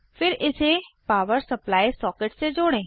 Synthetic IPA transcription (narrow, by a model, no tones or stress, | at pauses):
fʰɪɾɪsepaːʋəɾsəplaːisɔːkɪʈsed͡ʒoːɽ̃ẽː